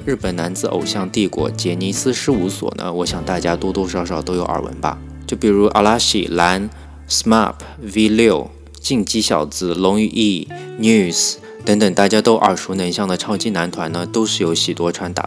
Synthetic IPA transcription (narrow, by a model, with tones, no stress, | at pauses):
ɻɻ̩˥˩pə˨˩nna˧˥nd͡zɹ̩˧˩o̰˨˩ʊɕjɑ˥˧ŋt̪i˥˩kwɔ̰˧˩t͡ɕjɛ˧˥ni˧˥sɹ̩˥ʂɻ̩˥u˧˥swɔ̰˨˩nə̰˦wɔ˧˥ɕjɑ˨˩ŋt̪a˥˩t͡ɕja˥t̪wɔ˥t̪wɔ˥ʂɑ˥˩ʊʂɑ˨˩ʊt̪o˥ʊjo˧˥ʊə̰˞˨˩wə̰˧˥nbɐ̰˧ | t͡ɕjo˥˩ʊpi˨˩ɻu˧˥ʔa̰˧la˥ɕḭ˨˩la˧˥n | sma̰˥˩pʰ | wi˥ljo˥˩ʊ | t͡ɕi˥˧˩ŋt͡ɕi˥ɕjɑ˨˩ʊt͡sɹ̩˧˩lʊ˧˥ŋy˥˧˩ʔi˥˩nju˥˩s | t̪ɤ˧˥ŋt̪ə˨˩ŋt̪a˥˩t͡ɕja˥t̪o˥ʊʔə˞˨˩ʂu˧˥nə˧˥nɕjɑ˥˩ŋd̪ə˩ʈ͡ʂʰɑ˥ʊt͡ɕi˥na˧˥nt̪ʰwa˧˥nnə˧t̪o˥ʊʂɻ̩˥˩jo˧˥ʊɕi˨˩t̪wɔ˥ʈ͡ʂʰwa˧˥nt̪a̰˨˩